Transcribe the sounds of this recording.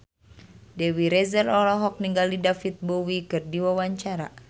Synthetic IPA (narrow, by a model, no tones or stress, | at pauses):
dɛwiɾɛzəlɔlɔɦɔk̚niŋɡalidafit̪̚bowikɨrdiwawaɲt͡ʃaɾa